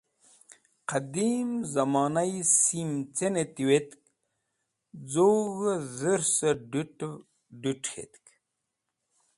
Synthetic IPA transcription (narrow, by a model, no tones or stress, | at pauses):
qɐd̪imzɐmɑːnajsimt͡senet̪iwet̪k̚ | d͡zoɣəzəɾsɐɖuʈ | ɖuʈ͡ʂxḛt̪k